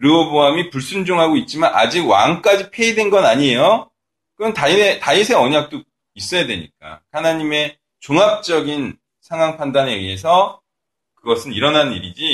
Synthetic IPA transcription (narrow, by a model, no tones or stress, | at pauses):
ɾɯoboamipuɭs͈und͡ʑoŋɦaɡoit̚t͡ɕ͈imana̰d͡ʑiɡwa̰ŋk͈ad͡ʑipʰe̞idwe̞nɡʌnaɲie̞jo | kɯɯntaietaisʰe̞ʌɲak̚t͈o | is͈ʌjadwe̞ɲḭk͈a̰hanaɲime̞ | t͡ɕoŋap̚t͡ɕ͈ʌɡin | sʰaŋwaŋpʰandaneesʰʌ | kɯɡʌsʰɯniɾʌnanniɾid͡ʑi